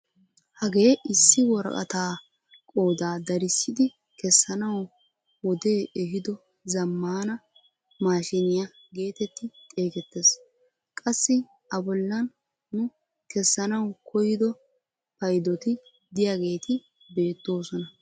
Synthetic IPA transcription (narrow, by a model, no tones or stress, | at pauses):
hɐɡeːʔɪsːɪwɔɾɐ̰kʼɐ̰t̪aː | kʼo̞ːd̪aːd̪ɐɾɪsːɪd̪ɪ | kɛsːɐnɐw | wɔd̪e̞ːɛɦɪd̪ɔ | zɐmːaːnɐ | maːʃɪnɪjɐ | ɡe̞ːt̪ɛt̪ːɪt̪ʼe̞ːkɛt̪ːes | kʼɐsːɪ | ɐbɔlːɐn | nʊ | kɛsːɐnɐwkɔjɪd̪ɔ | pɐjd̪ɔt̪ɪ | d̪ɪjaɡe̞ːt̪ɪ | be̞ːt̪ːo̞ːsɔnɐ